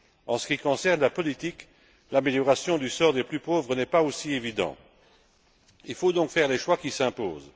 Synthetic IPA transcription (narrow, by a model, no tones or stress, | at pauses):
ɑ̃sə̥kʲikɔ̃sɛʁnlapɔlit̪ik | lameljɔʁasjɔ̃d̪ysɔːʁd̪eplypoːvʁənɛpaosievid̪ɑ̰̃ | ilfod̪ɔ̃kfɛʁleʃwakisɛ̃po̰ːz